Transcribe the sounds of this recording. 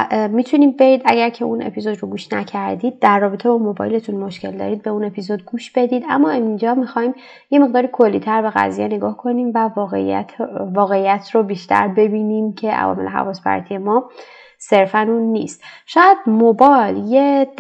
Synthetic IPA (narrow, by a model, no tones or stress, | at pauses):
miːt̪ʰuniːbe̞ɟiːd̪æɟæɾcʰeunʔe̞̰pʰizod̪roɡuːʃnæcʰæɾd̪iːd̪̚ːærːɒːbet̪ʰebɒmobɒ̰ːjle̞t̪ʰunmo̞ʃce̞ld̪ɒ̰ɾiːd̪̚be̞une̞pʰizod̪̚ɡuːʃb̥e̞d̪iːd̪æmːɒːemind͡ʒɒmixɒːim | je̞me̞ɣd̪ɒːɾikʰo̞lːḭːt̪ʰæɾbe̞ɣæ̰zijene̞ɡɒːhkʰo̞niːmvæe | vɒːɣeijæt̪ʰrobiːʃt̪ʰæ̰ɾbe̞biːniːmcʰe̞ʔæ̰vɒ̰ːmeleɦæ̰vɒːspʰæ̰ɾt̪ʰije̞mɒː | se̞ɾfænunːḭːst̪ | ʃɒːjæd̪̥mobɒlje